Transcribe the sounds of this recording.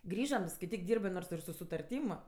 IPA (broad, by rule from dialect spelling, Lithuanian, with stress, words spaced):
ˈɡrʲiːʒɐm skɐɪˈtʲiːk ˈdʲiːrbɜ ˈnoːrs ɪr sʊ sʊtɐrʲˈtʲiːm